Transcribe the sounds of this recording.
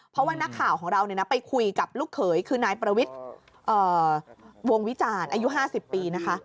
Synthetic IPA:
pʰɾɔ˦˥waː˥˩na˦˥kʰːaː˨˩wkʰɔː˩˦ŋɾa˧wni˨˩ɐna˦˥pa˧jkʰu˧jka˨˩p̚luː˥˩kʰːɤː˩˦jkʰɯː˧naː˧jpɾa˧wi˦˥t̪̚ | ʔɤː˨˩ | wo˧ŋwi˦˥t͡ɕaː˧nʔaː˧ju˦˥ɦaː˥˩si˨˩pːiː˧na˦˥kʰa˦˥

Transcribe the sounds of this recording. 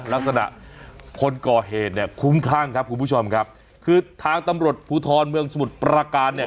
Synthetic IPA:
la˦˥k̚sa˧na̰˨˩ʔkʰo˧nkɔː˨˩ɦeː˨˩t̪̚ni˥˩ɐkʰu˦˥mkʰaː˥˩ŋkʰa˦˥p̚kʰu˧npʰu˦˥˩t͡ɕʰo˧mkʰa˦˥p̚ | kʰɯː˧t̪ʰaː˧ŋt̪a˧mɾu˨˩ət̪̚pʰuː˧t̪ʰɔː˧nmɯ˧əŋsa˧mu˨˩t̪̚pɾa˧kaː˧nːi˥˩ə

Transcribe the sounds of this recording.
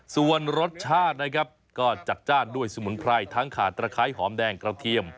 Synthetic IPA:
su˨˩ənɾo˦˥t̪̚t͡ɕʰaː˥˩t̪̚na˦˥kʰa˦˥p̚kɔː˥˩t͡ɕa˨˩k̪̚t͡ɕaː˥˩ndu˥˩əjsu˧mu˩˦npʰɾa˧jt̪ʰa˦˥ŋkʰaː˨˩t̪ːɾaː˧kʰaː˦˥jɦɔː˩˦mdɛː˧ŋkɾa˧t̪ʰi˧əm

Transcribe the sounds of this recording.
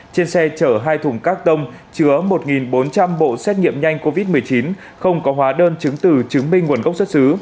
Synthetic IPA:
t͡ɕe˧nsɛ˧t͡ɕəː˧˩ɦaː˧jt̪ʰʊ˨˧˩ŋ͡mkaː˦˥k̚t̪ə˧wŋ͡m | t͡ɕɨ˨˦əmo˨˩t̚ŋi˨˩nɓo˨˦nt͡ɕa˧mɓo̰˧˨sɛ˦˥t̚ɲḭ˧˨əmɲa˧jŋ̟ko˧vi˦˥t̚mɨ˨˩əjt͡ɕi˨˦n | xə˧wŋ͡mkɔ˨˦ɦwaː˨˦ɗəː˧nt͡ɕɨ˨˦ŋt̪ɨ˨˩t͡ɕɨ˨˦ŋmï˧ŋŋu˨˩ənɣə˦˥wk͡p̚sə˦˥t̚sɨ˨˦

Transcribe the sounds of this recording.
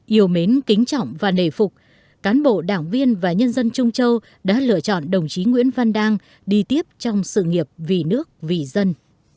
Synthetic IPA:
ʔi˨˧˩əwme˨˦nkï˨˦ŋ̟t͡ɕɔ̰˧˨wŋ͡mvaː˨˩ne˨˩fʊ˨˩k͡p̚ | kaː˨˦nɓo̰˧˨ɗaː˧˩ŋvi˧ənvaː˨˩ɲə˧nzə˧nt͡ɕʊ˧ŋ͡mt͡ɕə˧w | ɗa̰ː˧˥lɨ̰˧ət͡ɕɔ̰˧˨nɗə˨˩wŋ͡mt͡ɕi˨˦ŋwḭ˧˥ənva˧nɗaː˧ŋ | ɗi˧t̪i˦˥əp̚t͡ɕɔ˧wŋ͡msɨ̰˧˨ŋi˨˩əp̚vi˨˩nɨ˦˥ək̚vi˨˩zə˧n

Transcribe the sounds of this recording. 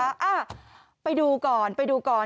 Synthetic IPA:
a˦˥ʔaː˧˩ | pa˧jduː˧kɔː˨˩npa˧jduː˧kɔː˨˩

